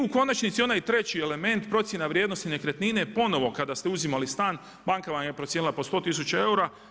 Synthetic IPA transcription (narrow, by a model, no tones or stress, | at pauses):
uko̞nat͡ʃnit̪sio̞najt̪ɾe̞t͡ɕiele̞me̞nt̪pɾo̞t̪sje̞naʋɾjed̪no̞st̪ine̞kɾet̪ninepo̞no̞ʋo̞kad̪ast̪euzimalist̪aːn | baŋkaʋamjepɾot̪sjenilˠapo̞st̪o̞ːt̪is̬ut͡ʃae̞uɾa